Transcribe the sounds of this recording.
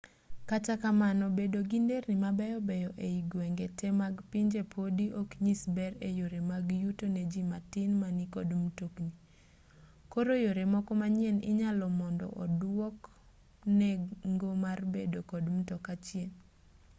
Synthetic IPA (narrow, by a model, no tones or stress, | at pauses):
kat͡ʃakamanɔbedoɡindeɾnɪmabɛjɔbɛjɔʔeiɡwɛŋɡetɛmaɡpiɲd͡ʒepʰodiʔokɲisbɛɾejoɾemaɡjutonɛd͡ʒimatɪnmanikɔdmtokni | koɾojoɾemɔkɔmaɲjɛnɪ̰ɲalɔmɔndɔ̰ʔɔ̰dwɔk | nɛŋɡomarbedokɔdm̩tɔkat͡ʃjɛn